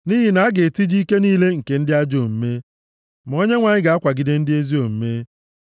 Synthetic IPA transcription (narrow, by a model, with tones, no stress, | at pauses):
ni˦ɦi˨na˨a˦ɡe˨ti˦d͡ʒi˦ke˦niː˦le˦ŋ̩˨ke˨n̩˦dɪ˦a˦d͡ʒo˨m̩˦me˦ | ma˨o˦ɲe˦ŋʷa˨ɲɪ˦ɡa˨a˦kʷa˨ɡɪ˨de˦n̩˦dɪ˦e˦zi˦o˨m̩˦me˦